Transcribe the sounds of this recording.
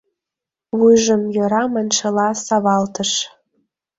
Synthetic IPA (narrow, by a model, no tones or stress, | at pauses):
βujʒə̆mjoɾɑmɑnʲʃɤlɑsɑβɑlt̪əʃ